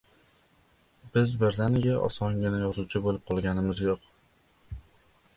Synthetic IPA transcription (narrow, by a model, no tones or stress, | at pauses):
b̥ɪzbɪɾd̪anɪɡʲaʔɒ̰sɒŋɡʲɪnajɒzuwt͡ʃʰɪbolɪp̚qʰɒlˠɡʲanɪmɪzjoq